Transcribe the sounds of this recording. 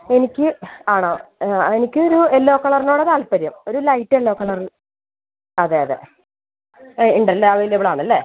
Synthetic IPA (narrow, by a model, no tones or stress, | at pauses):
e̞nikʲːɨaːɳoːenikʲːɨoɾuelːo̞ːkːɐɭɐrinoːɽet̪aːlpɐɾɐmo̞ɾulɐjtːelːoːkɐɭɐril | ɐðeːjɐðḛ | iɳɖɐlːeɐʋɐjilːeʋɭaːɳɐlːe